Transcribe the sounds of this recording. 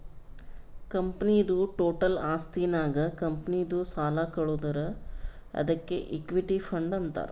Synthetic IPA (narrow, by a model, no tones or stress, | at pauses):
kɐmpnid̪uʈoːʈɐlaːst̪iːnaːɡɐkɐmpɐnid̪usaːlaːkɐɭuːd̪ɐɾɐ | ɐ̰d̪ɐkːḛʔikːʋiʈipʰɐɳɖɐnt̪a̰ːɾu